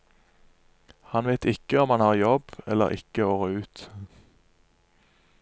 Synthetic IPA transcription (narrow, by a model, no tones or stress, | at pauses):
hɑnʋæɪt̪ɪkəɔmhɑnhɑːʁjɔbɛlə̰ʁɪ̰kəoːʁøːʉːt̪